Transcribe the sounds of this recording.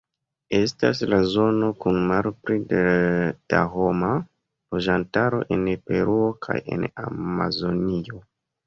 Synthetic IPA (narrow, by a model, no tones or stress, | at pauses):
e̞stas̬lazo̞no̞kunmalpɾi | d̥a̰ɦo̞ma | lo̞d͡ʒantaɾo̞̰ʔe̞npe̞ɾuo̞kʰa̰je̞̰na̰mazo̞nio̞